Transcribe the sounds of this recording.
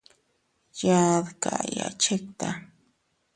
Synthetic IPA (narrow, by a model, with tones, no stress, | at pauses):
ja˦˧ðka̰˨ja̰˨t͡ʃe˦k̚t̪a˨